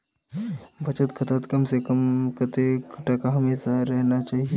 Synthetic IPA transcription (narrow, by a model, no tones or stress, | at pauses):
bʱɐt͡ʃət̪kʰət̪ət̪kɐmsekəmkʰɐt̪ekʈɐkaɦɐmeːʃaɾɛɦnat͡ʃaːɦie